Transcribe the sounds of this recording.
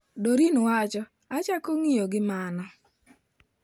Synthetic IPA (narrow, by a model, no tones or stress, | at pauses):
doɾinwat͡ʃɔ | at͡ʃakoŋijoɡɪmanɔ